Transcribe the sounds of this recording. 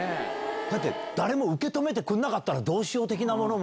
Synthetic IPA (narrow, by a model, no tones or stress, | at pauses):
d̪̥at̪̬ːe̞̰ | d̪̥aɾe̞mo̞ɯ̟ke̞t̪o̞me̞t̪̬e̞kɯ̟̃nːakat̪ːaɾad̪o̞ːɕio̞ːt̪e̞k̬ʲinamo̞no̞m